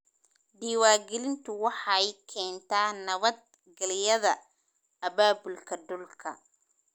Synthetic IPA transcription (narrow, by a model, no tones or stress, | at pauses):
ɖiːwaːɡɛlɪnt̪ʰʊwɑħɑjkʰɛːnt̪ʰaːnɐβɐd̪̚ | ɡɐlɪjɐðɐ | ɐβaːbʊlkʰɐd̪ʊlkʰɐ̰